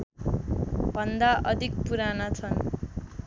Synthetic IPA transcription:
b̥ʱʌnd̪aʔʌd̪ʱik̚puɾanat͡sʰʌn

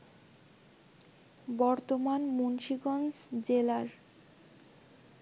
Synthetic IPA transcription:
bɔɾt̪omanmunʃiɡɔnsd͡ʑelaɾ

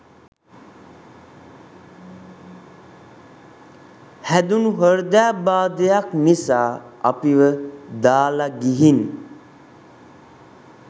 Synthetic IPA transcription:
hæd̪unuɦəɾd̪æːbaːd̪ejaknisaːa̰piʋəd̪aːlaɡiɦini

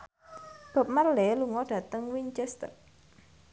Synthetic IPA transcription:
b̥a̤p̚marlɛluŋɔɖ̥ä̤t̪əŋwiɲt͡ʃɛst̪ə̰r

